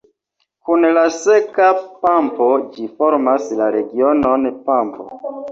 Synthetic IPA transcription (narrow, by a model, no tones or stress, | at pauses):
kunlasekapampod͡ʒifoɾmaslaɾeɡiononpampo̰